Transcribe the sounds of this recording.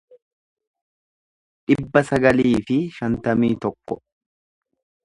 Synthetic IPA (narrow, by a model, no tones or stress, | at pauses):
ᶑɪbːɐsɐɡɐliːfɪʃɐnt̪ɐmiːt̪ɔkːɔ